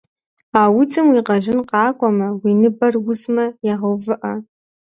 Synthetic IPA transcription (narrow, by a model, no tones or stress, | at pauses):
aːwʊtʰɨmwiːqɐʒɪnqɑːkʷʼɔmɐwiːnɨbɐrwʊzmɐjaʁɐwvɨʔɐ